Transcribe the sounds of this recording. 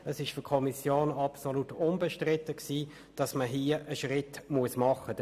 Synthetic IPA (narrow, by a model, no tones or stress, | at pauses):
əsɪʃfʏkʰɔmisjoːnɑpsolutʊnbɛʃtʁɪtəksiː | d̥ɑsməɦiːəʔəʃʁɪtmuəsmɑχəd